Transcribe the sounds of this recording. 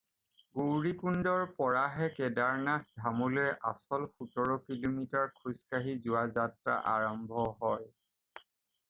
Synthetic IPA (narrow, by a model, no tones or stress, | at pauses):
ɡowɹikundɔɹpɔɹaɦɛkɛdaɹnakdʱamuloɛʔasɔlxutɔɹɔkilomitaɹkʰuskaɦizʊwazatɹa̰ʔaɹɔmbʱɔɦɔj